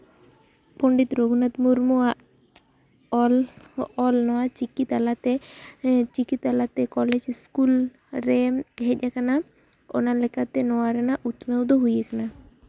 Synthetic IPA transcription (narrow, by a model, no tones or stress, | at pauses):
pɔɳɖit̪ɾoɡunat̪muɾmua | lɔlnɔat͡ʃikit̪alat̪e | t͡ʃikit̪alat̪ekɔled͡ʒskul | ɾeɦecakana | o̰nalekʰat̪enɔaɾenaʔut̪newd̪ʱoɦujekna